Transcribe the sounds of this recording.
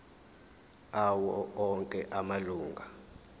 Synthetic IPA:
awɔɔŋkʼɛʔamaluːŋɡʱa

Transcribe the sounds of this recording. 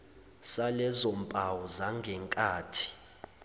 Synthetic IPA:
salɛzɔmpʼawɔzaŋɡʱɛŋkʼaːtʰi̥

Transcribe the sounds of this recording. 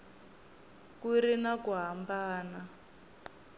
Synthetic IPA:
kiɾinakuɦambaːna

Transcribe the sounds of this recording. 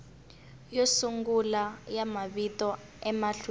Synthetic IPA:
josuŋɡulajamaβitɔ | ɛmaɬu

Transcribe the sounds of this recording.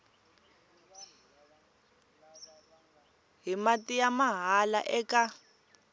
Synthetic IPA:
ɦimatijamaɦala̰ʔɛka

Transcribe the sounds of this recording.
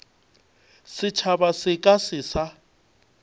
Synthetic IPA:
sɪt͡ʃʰabasɪkʼasɪsa

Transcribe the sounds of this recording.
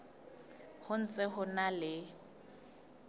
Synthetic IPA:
hʊn̩t͡sʼɪχʊnalɪ

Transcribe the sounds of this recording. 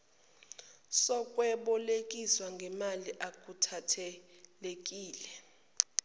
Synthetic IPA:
sɔkʼwɛɓɔlekʼiswaŋɡʱɛmaliʔak̬ʼutʰatʰɛlekʼiːlɛ

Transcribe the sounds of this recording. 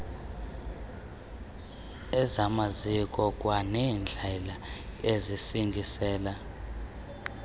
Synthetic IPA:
ɛzamazikʼɔkʼwanɛːnd͡ɮʱɛlaezisiŋɡʱisɛːla

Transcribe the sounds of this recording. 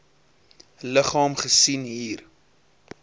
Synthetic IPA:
ləχɑːmχəsinɦiːr

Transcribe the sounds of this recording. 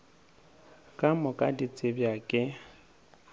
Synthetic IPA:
kʼamʊkʼadit͡sʼɪbjakʼɪ

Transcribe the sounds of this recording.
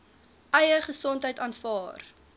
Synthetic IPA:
ʔɐjəχəsɔntɦəjtɑːnfɑːr

